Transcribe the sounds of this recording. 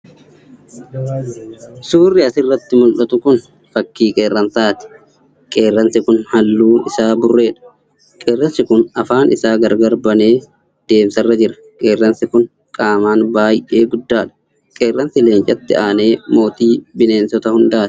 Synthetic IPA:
suːrːɪɐsɪrːɐt̪ːɪmʊlʔɐt̪ʊkʊn | fɐkːiːkʼe̞ːrːɐnsaːt̪ɪ̥ | kʼe̞ːrːɐnsɪkʊnhɐlːuːnɪsaːbʊrːe̞ːᶑɐ̥ | kʼeːrːɐnsɪkʊnɐfaːnʔɪsaːɡɐɾɡɐɾbɐneː | d̪̥e̞ːmsɐrːɐd͡ʒɪɾɐ̥ | kʼe̞ːrːɐnsɪkʊn | kʼaːmaːnbaːjʔe̞ːɡʊd̪ːaːᶑɐ̥ | kʼe̞ːrːɐnsɪleːnt͡ʃʼɐt̪ːɪaːne̞ːmo̞ːt̪iːbɪne̞ːnsɔt̪ɐhʊnd̪aːt̪ɪ̥

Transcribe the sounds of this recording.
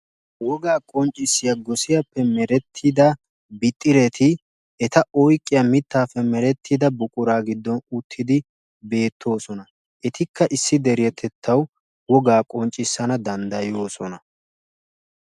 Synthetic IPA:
wɔɡaːkʼɔnt͡ʃʼːɪsːɪjɐɡɔsɪjɐpːɛmɛɾɛt̪ʰːid̪ɐ | bɪt̪ʼːɪɾɛt̪ʰɪ | ʔɛt̪ɐʔɔjkʼːɪjɐmɪt̪ːaːfɛmɛɾɛt̪ʰːɪd̪ɐbʊkʼʊɾaːɡɪd̪ːɔnʊt̪ʰːɪd̪ɪ | be̞ːt̪ʰːo̞ːsɔnɐ | ʔɛt̪ɪkːɐʔɪsːɪd̪ɛɾɪjɛt̪ʰɛt̪ʰːɐw | wɔɡaːkʼɔnt͡ʃʼːɪsːɐnɐd̪ɐnd̪ɐjo̞ːsɔnɐ

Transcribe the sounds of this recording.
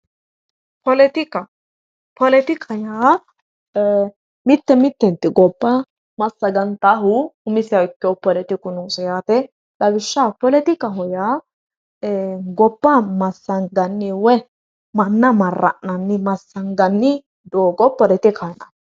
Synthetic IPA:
pɔlɛt̪ɪkɐ | pɔlɛt̪ɪkʰɐjaː | mɪt̪ːɛmɪt̪ːɛnt̪ːɪɡɔbːɐ | mɐsːɐɡɐnt̪aɦʊhʊmɪsɪjawɪkːɪɔpɔlɛt̪ɪkʊnoːsɛjaːt̪ɛ | d̪ɐɡɪʃːaːpɔlɛt̪ɪkɐɦɔjaː | ɡɔbːɐmɐsːɐnɡɐnːɪwɛ | mɐnːɐmɐrːɐ̰ʔnɐnːɪmɐsːɐnɡɐnːɪ | d̪oːɡɔpɔlɛt̪ɪkʰɐjnɐ̰

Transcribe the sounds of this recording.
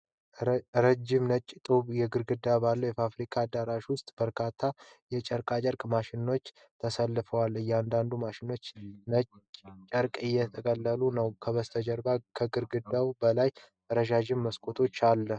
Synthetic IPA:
ɾəd͡ʒːɪmnət͡ʃʼːt̪ʼuβjɛɡɨɾɡɨd̪ːabalːəjɛfafɾikʰaːd̪aɾaʃwʊst̪ʼb̥əɾkʰat̪ʰːajɛt͡ʃʼəɾkʼat͡ʃʼəɾkʼmaʃɪno̞t͡ʃː | t̪ʰəsəlːɨfəwalːjɛand̪and̪umaʃɪno̞t͡ʃːnət͡ʃʼːt͡ʃʼəɾkʼɨjːɛt̪ʰəkʼəlːəlunəwkʰəβəst̪ʰəd͡ʒəɾbakʰəɡɨɾɡɨd̪ːawbəlaj | əɾəʃaʒɪmːəskʼʰo̞t̪ʰo̞t͡ʃːalːə

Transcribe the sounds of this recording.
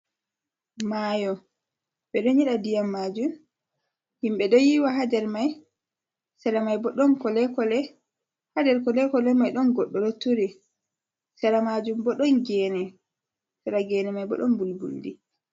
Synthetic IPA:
maːjɔ | ɓɛɗɔɲɛɗadijamːad͡ʒum | himɓɛɗɔjiwaɦadɛɾmaj | sɛɾamajbɔɗɔnkɔlɛkɔlɛ | hadɛɾkɔlɛkɔlɛmajɗɔnɡɔɗːɔlotːuɾi | sɛɾamad͡ʒumbɔɗɔnɡɛnɛ | sɛɾaɡɛnɛmajbɔ̰ɗɔnbulbṵldḭ

